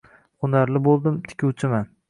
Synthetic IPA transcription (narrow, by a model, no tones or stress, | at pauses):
qʊnaɾlɪbolˠd̪ɪmt̪ʰɪ̥kʲʰuwt͡ʃʰɪman